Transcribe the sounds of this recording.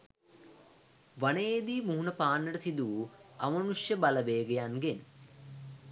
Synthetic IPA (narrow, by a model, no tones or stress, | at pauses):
ʋaneed̪iːmuɦunəpaːnːəʈəsid̪uːɐmɐnuʂjəbalɐʋeːɡejanɡen